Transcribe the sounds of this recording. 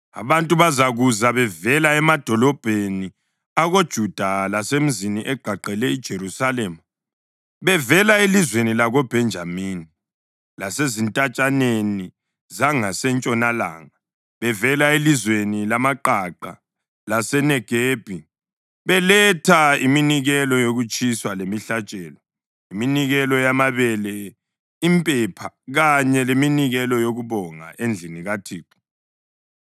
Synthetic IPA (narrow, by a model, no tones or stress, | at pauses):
a̰βantʼuβazaɣuzaβɛvɛlaɛmad̥ʱɔlɔb̥ʱeni | aɣod̥ʒ̥ʱud̥ʱalasem̩ziniʔɛɡ͡ǃ̥ʱaǃʱɛlɛid̥ʒ̥ʱeɾusalɛma | βɛvɛlaelizwenilaɣɔb̥ʱɛnd͡ʒʱamini | lasezintʼat͡ʃʼaneni | zaŋasɛnt͡ʃʼɔnala̰ːŋa | βɛvɛlaelizwenilamaǃaǃa̰ | lasɛnɛɡ̥ʱeːb̥ʱi | βɛlɛtʰaiminiɣɛlɔjoɣut͡ʃʼiswalemiɬat͡ʃʼɛːlɔ | iminiɣɛlɔjamaβɛlɛ | impʼɛpʰaɣaɲɛleminiɣɛlɔjoɣuβɔŋa̰ʔend͡ɮʱiniɣatʰiːǁu̥